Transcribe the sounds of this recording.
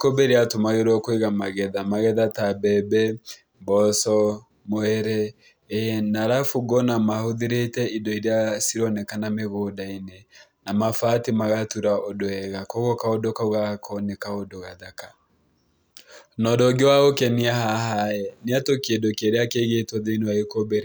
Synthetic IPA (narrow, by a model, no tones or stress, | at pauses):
kobeɾeatomaɣeɾwakweɣamaɣɛðamaɣɛðatabɛbɛ | bɔsɔ | moɛɾɛ | naɾafuɡɔnamahoðiɾetɛidɔiɾeasiɾɔnɛkanameɣoːdainenamafatimaɣatuɾaodoɛɣakoɣokaodokaoɣakʰɔnekaodoɣaðaka | nɔdɔɡewaɣokɛniahahaɛneatokedokeɾeakeɣetwɔðeinuaekobeɾi